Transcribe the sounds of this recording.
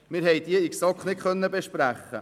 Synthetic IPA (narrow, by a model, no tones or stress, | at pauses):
mɪɾɦɛɪd̥̪iəiksɑkχnɪtχœnːəbeʃpɾæχːə̰